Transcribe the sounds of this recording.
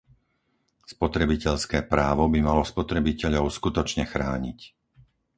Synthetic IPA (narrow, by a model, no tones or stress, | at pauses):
spɔt̪ɾɛbicɛʎskɛːpɾaːʋɔbimalɔspɔt̪ɾɛbicɛʎɔʊskut̪ɔt͡ʃɲɛxɾaːɲḭc